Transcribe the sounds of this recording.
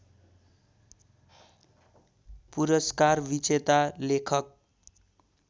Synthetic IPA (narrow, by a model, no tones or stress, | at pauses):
puɾʌskarbit͡set̪alekʰʌk̚